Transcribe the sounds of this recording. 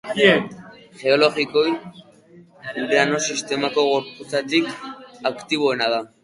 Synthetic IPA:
ʝe̞o̞lo̞ɣiko̞j | ud̪eano̞sist̪e̞mako̞ɣo̞ɾput͡sat̪ikakt̪iβ̞o̞enaða

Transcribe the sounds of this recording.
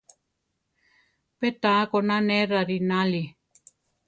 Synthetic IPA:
pet̪akonãneɾaɾinãli

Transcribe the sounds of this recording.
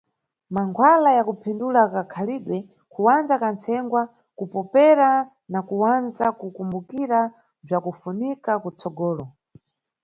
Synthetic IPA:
maŋɡʰwalajakupʰindulakakʰaliɗwɛ | kʰuwand͡zakant͡sʰɛŋɡwa | kupɔpɛɾa | nakuwanzakukumbukiɾa | b͡ʐakufunikakut͡sɔɡɔːlɔ

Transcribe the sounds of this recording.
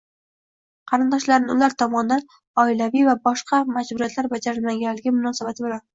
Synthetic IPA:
qʰɑɾɪnd̪ɒʃlaɾnɪʊlaɾt̪ʰɒmɒnd̪an | ɒɪlavijvabɒʃqʰɑmad͡ʒbʊɾijat̪laɾbad͡ʒaɾɪlmaɡʲanlːɪɡʲɪmʊnɒsabat̪ʰɪbɪlan

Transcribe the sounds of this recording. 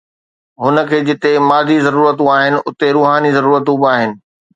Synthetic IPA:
ɦʊnə̆kʰeːd͡ʑɪt̪emaːzizɐɾuːɾət̪ũaːɦɪnɪ̆ʔʊt̪eɾuːɦaːnizɐɾuːɾət̪ũbaːɦɪnɪ̆

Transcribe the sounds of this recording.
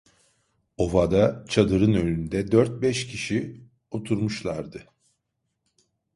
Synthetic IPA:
o̞vad̪at͡ʃʰad̪ɯɾɯnø̞nynd̪ɛd̪øɾt̪̚bɛʃcʰiʃi | o̞t̪ʰuɾmuʃlˠaɾd̪ɯ

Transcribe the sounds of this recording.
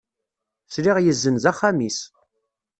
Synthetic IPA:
sɾiʁjəzːənzaχːamis

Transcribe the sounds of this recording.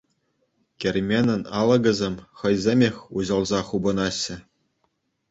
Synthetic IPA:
kʲĕrʲmʲenʲɘ̆nʲɑlˠɤ̆ɡʲɘ̆zʲemʲχɤ̆jzʲemʲexʲuʑɤ̆lˠzɑχubɤ̆nɑɕːɘ̆

